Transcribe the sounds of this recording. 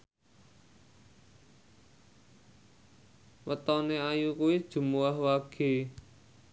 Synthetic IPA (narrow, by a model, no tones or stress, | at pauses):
wət̪ɔneajukuid̥ʒ̥ṳmuahwaɡ̥e̤